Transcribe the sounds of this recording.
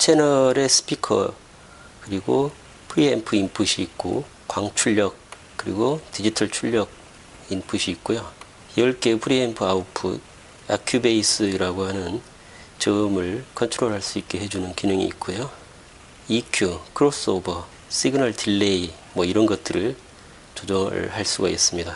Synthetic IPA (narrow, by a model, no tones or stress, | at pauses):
t͡ɕʰenʌɾe̞sʰɯ̥pʰikʰʌ̰ | kɯɾiɡo | pʰɯɾiempʰɯinpʰuɕʰiːk̚k͈o̰ | kwaŋt͡ɕʰuʎjʌk̚ | k͈ɯɾḭɡotid͡ʑitʰʌɭt͡ɕʰuʎːʌɡ̚ | inpʰuɕʰiːk̚k͈ojo | jʌɭk͈epʰɯɾiempʰɯaupʰṵd̚ | a̰kʰjubeis͈ɯiɾaɡohanɯn | t͡ɕʌmɯɭkʰʌntʰɯɾoɭɦaɭs͈uik̚k͈e̞he̞d͡ʑunɯnkinɯŋḭːk̚k͈ojo | ikʰjukʰɯɾos͈ɯobʌ | sʰiɡɯnʌɭtilːei | mwʌiɾʌnɡʌt̚t͈ɯɾɯɭ | t͡ɕod͡ʑʌhaɭs͈uɡais͈ɯmɲida